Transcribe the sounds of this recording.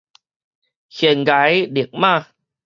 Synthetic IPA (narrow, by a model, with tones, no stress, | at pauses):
xi˨˩ənɣa˨˦jɗi˨˩ək̚maː˧˩